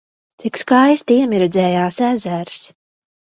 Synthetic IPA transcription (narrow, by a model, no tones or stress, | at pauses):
t̪sikskajst̪iɛmiɾɛd̪zɛːjaːsæzæːɾɨ̥s